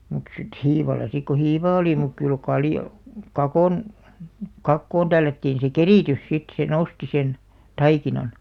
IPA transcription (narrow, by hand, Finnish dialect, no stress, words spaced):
mut sit hiːʋɑlˑɑ sik ko hiʋɑː oli muk kyl kɑljo kɑkoˑn kɑkːoːn tælːætːiːn̞ se keriˑtys sit se nosti sen tɑikinɑn